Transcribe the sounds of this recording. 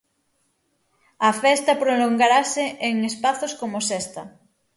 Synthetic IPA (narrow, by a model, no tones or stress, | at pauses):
ɐfɛst̪apɾoloŋɡaɾaseʔeŋespaθoskomosɛst̪ɐ